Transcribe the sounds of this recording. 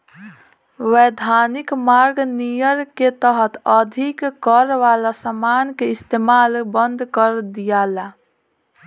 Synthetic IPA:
weːd̪ʱaːnɪkmaːɾɡnijəɾket̪əɦət̪əd̪ʱikkəɾʋaːlasamaːnkeɪst̪eːmaːlbə̃nd̪ʱkəɾd̪ijaːla

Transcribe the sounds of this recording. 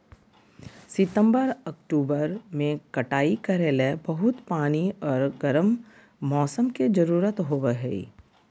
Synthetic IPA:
sɪt̪ə̃mbəɾɐkʈuːbəɾmẽkɐʈaːikɐɾeːlebɐɦʊt̪paːniɔːɾɡɐɾəmː | ɔːsəmked͡ʒɐɾuːɾət̪ɦoːweɦɛ̰ḭ

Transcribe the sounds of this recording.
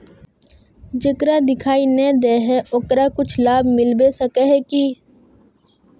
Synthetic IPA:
d͡ʒəkɾad̪ɪkʰaːinɛ̃d̪eːɦɛʊkɾakʊt͡ʃʰlaːbmɪlbesəkeɦɛki

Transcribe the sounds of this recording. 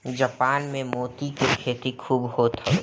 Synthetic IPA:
d͡ʒaːpaːnmẽmoːt̪ikekʰeːt̪ikʰuːbɦoːt̪ɛ

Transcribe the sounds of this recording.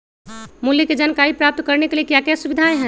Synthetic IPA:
muljəked͡ʒankaɾipɾap̚t̪kəɾnekeliekjakɛsubid̪ʱaẽɦɛ̃

